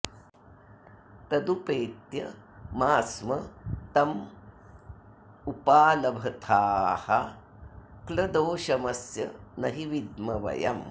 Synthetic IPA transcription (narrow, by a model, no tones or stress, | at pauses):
t̪ɐd̪upeːt̪jɐ | maːsmɐt̪ɐm | upaːlɐbʱɐt̪ʰaːhɐ | klɐd̪oːʃɐmɐsjɐ̰nɐɦiʋid̪mɐʋɐ̰jɐ̰m